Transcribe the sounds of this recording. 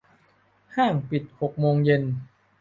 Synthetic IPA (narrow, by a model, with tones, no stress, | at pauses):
haː˥˩ŋpi˨˩t̪̚ho˨˩k̚moː˧ŋje˧n